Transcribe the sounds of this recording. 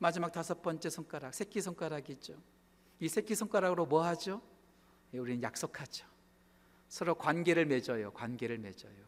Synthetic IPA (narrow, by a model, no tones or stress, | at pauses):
mad͡ʑimak̚tasʰʌp̚p͈ʌnt͡ɕ͈e̞sʰʌŋk͈aɾak̚sʰekʰisʰoŋk͈aɾaɡid͡ʑo | isʰekʰisʰoŋk͈aɾaɡɯɾomwʌɦad͡ʑo | jeuɾinɯnjak̚s͈okʰad͡ʑo̥ | sʰʌɾokwanɡe̞ɾɯɭme̞d͡ʑʌjokwanɡe̞ɾɯɭme̞d͡ʑʌjo